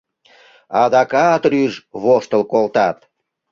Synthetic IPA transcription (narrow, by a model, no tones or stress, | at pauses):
ɑd̪ɑkɑt̪ɾyʒβoʃt̪əlkolt̪ɑt̪